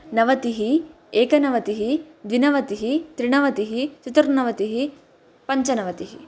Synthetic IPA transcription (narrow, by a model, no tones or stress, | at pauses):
nɐʋɐt̪iɦi | eːkɐnɐʋɐt̪iɦi | d̪ʋinɐʋɐt̪iɦit̪ɾiɳɐʋɐt̪iɦit͡ʃit̪ɾnɐʋɐt̪iɦi | pɐɲt͡ʃɐnɐʋɐt̪iɦi